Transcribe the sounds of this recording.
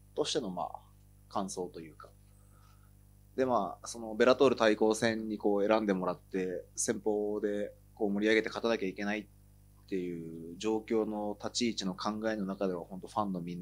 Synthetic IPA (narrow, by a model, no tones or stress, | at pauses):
t̪o̞ɕi̥t̪e̞no̞ma̰ː | kãɰ̃so̞ːt̪o̞jɯ̟ːkḁ | d̪e̞maːso̞no̞be̞ɾat̪o̞ɾɯ̟t̪aiko̞ːsẽ̞ɲ̟ːiko̞ːe̞ɾãnd̪e̞mo̞ɾat̪ːe̞sẽ̞mpo̞ːd̪e̞ | ko̞ːmo̞ɾʲiaɡe̞t̪e̞kat̪anakʲaike̞nait̪ː | e̞jɯ̟ːd͡ʑo̞ːkʲo̞ːno̞t̪at͡ɕiːt͡ɕino̞kʰãŋɡae̞no̞nakad̪e̞β̞ahõ̞nt̪o̞ɸãnːo̞mʲin